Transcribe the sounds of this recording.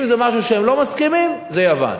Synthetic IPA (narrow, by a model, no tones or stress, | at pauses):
mzemaʃ̬uʃeemlo̞maskimimzejava̰n